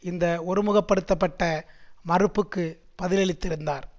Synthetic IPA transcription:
ɪnd̪ɐɔɾɯmɯɣɐpːɐɽɯt̪ːɐpːɐʈːɐmɐrɯpːɯkːɯ | pɐðɪlɛɭɪt̪ːɪɾɯnd̪aːɾ

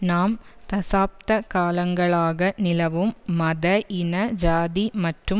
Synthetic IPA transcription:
naːmt̪ɐsaːp̚t̪ɐkaːlɐŋɡɐɭaːɣɐnɪlɐʋɯmːɐðɐʔɪnɐd͡ʒaːðimɐʈrɯ

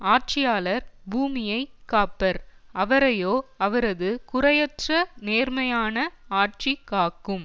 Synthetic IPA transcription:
aːʈ̚t͡ʃɪjaːlɐɾbuːmɪjɐɪkːaːpɐɾʔɐʋɐɾɐjoːɐʋɐɾɐðɯkʊɾɐjɐtrɐneːɾmɐjaːnɐaːʈ̚t͡ʃikːaːkɯm

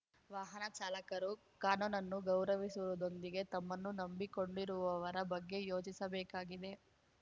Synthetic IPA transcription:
ʋaːɦɐnɐt͡ʃaːlɐkɐɾu | kaːnunɐnːuɡɐwɾɐʋisuʋɐd̪o̞nd̪iɡe̞t̪ɐmːɐnːunɐmbiko̞ɳɖiɾuʋɐʋɐɾɐbɐɡːe̞jo̞ːt͡ʃisɐbɛːkaːɡid̪e̞

